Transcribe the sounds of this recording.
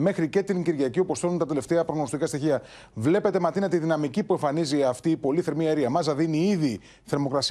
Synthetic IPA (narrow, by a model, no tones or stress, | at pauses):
mexɾice̞t̪iŋɟiɾʝɐciopost̪ɾount̪ɐt̪e̞left̪eɐpɾoɣnost̪ikɐst̪içiɐ | vle̞pe̞t̪e̞mɐt̪inɐt̪iðinɐmicipue̞ɱfɐniziɐft̪iːpo̞liθe̞ɾmieɾiɐmɐzɐðiniiði | θe̞ɾmo̞kɾɐs